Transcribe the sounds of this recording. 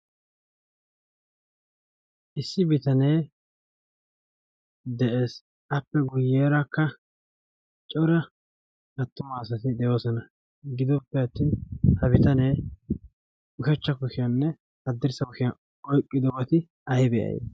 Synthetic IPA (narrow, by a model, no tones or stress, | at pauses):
ʔɪsːɪbɪt̪ɐneː | d̪ɛʔeːs | ɐpːɛɡʊjːeːɾɐkːɐ | t͡ʃʼɔɾɐ | ɡɐt̪ːʊmɐːsɐt̪ɪd̪ɛjo̞ːsɔnɐ | ɡɪd̪ɔpːɛɐt̪ːiːnhɐbɪt̪ɐneː | ʊʃɛt͡ʃːɐkʊʃɪjɐnːɛ | hɐd̪ːɪɾsɐkʊʃɪjɐ | ɔjkʼːɪd̪ɔwɐt̪ɪ | ɐjbɛjɐ̰jḛː